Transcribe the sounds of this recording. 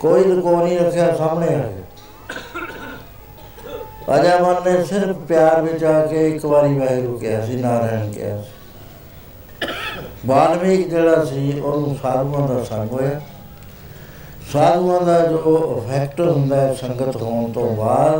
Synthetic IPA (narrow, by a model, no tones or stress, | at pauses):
koːiːd̪əkoːnĩːɾəkʰːjaːsaːmɳeːəkeː | ə̰d͡ʒaːmənːẽːsɪɾpʰpjaːɾʋɪt͡ʃaːkeːɪkbaːɾiːbaːɾiːɾʊkɪjaːsiːnãːɾɛɦəɳkɪ̰ja̰ːsi̥ː | baːnmĩːkd͡ʒeːɽaːsiːoːnũːsaːɾũːãːd̪aːsəŋɡɦoːjaː | saːɾũːãːd̪aːd͡ʒoːɪpʰɛːkʈɦʊ̃nd̪aːɛːsəŋɡət̪ɦoːɳt̪õːbaːd̪